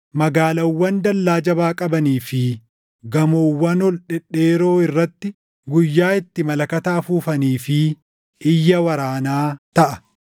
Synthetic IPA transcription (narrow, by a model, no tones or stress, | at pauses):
mɐɡaːlɐwːɐnd̪ɐlːaːd͡ʒɐbaːkʼɐbɐniːfɪ | ɡɐmoːwːɐnɔlᶑɛᶑe̞ːɾo̞ːɪrːɐt̪ːɪ | ɡʊjːaːɪt̪ːɪmɐlɐkɐt̪ɐːfuːfɐniːfɪ | ɪjːɐwɐɾaːnaːt̪ɐʔɐ̥